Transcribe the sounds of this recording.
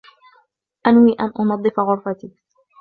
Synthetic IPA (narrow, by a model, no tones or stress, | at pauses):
ʔanwiːʔanʔʊnɑd̪ˤːɨfaɣʊɾfat̪iː